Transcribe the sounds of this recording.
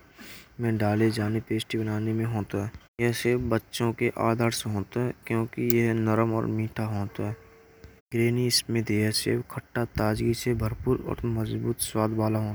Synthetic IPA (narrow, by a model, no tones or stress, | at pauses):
mɛ̃ːɖaːled͡ʒaːnepeːsʈibənaːnemẽɦoːt̪ɦɛːjɛɦsebbətːʃõkeʔaːd̪ʱəɾseɦoːt̪ɦɛːkjõːkijəɦnəɾəmɔ̰ːɾmĩːʈʰaɦoːt̪ɦɛː | ɡɾeːnismɪt̪jɛɦsḛːbkʰəʈːat̪aːd͡ʒɡisebʱəɾpuːɾɔ̰ːɾməzbuːt̪swaːd̪ʱbaːlaɦoː